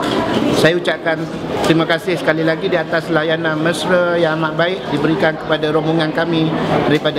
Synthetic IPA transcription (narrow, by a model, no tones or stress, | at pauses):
sajaut͡ʃap̚kan | t̪ɾimãkasɪhsə̥kalilaɡidiat̪aslajananmə̃sɾəjaŋamaʔ̪̚baɪʔdibəɾikankə̥padaɾomoŋankamĩdaɾipada